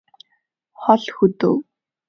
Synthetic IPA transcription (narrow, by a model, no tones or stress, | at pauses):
χɔɮxɵt̪o̰ː